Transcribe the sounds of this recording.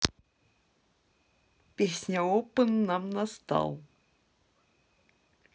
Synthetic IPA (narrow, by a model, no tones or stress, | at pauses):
pihsɲaopənːamnast̪a̰l